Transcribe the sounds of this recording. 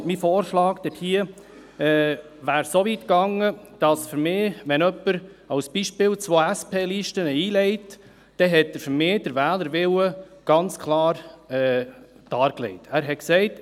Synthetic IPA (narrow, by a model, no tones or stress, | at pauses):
mifoːɾʃlɑːkd̥ɛthiə | ɛː | ʋæːɾsovitkɑŋəd̥ɑsfʏɾmɪːʋɛnœpːəɾ | ɑwsb̥iʃpɪːlt͡sʋoːæspʰeːliʃtənəiːlɛɪt | d̥ɛɦɛt̚d̥əɾfəɾmeːd̥əɾʋæːləɾʋɪwəɡ̥ɑnt͡skʰlɑːɾɛː | d̥ɑːɾklɛ̰ɪtæːɾɦɛtksɛɪt